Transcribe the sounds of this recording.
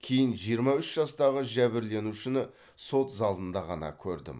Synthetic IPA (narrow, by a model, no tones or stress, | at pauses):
kʲʰe̞jɪnʒijəɾmɑʏʃʒ̥ɑst̪ɑʁəʒæβɪɾle̞nuʃɪnɪ | so̞t̪zɑlˠənd̪ɑʁɑ̰nɑ̰kʲʰɵɾd̪ɪ̰m